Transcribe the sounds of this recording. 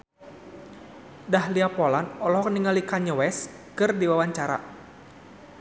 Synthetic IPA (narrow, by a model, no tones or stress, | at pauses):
dahliapɔlanɔlɔhkəniŋalikaɲəwɛs | kɨrdiwawaɲt͡ʃaɾa̰